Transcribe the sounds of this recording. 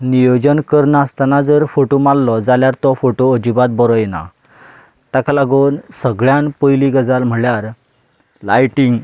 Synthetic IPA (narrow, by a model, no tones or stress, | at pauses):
nijod͡ʑənkəɾnaːst̪anad͡zəɾfoʈomalːɔd͡zaljaɾt̪ɔfoʈoəd͡ʑibat̪̚bɔɾɔjna̰ | t̪akalaɡuːnsəɡɭjanpəjliɡəd͡zalm̤əɭjaɾ | lajʈiŋɡ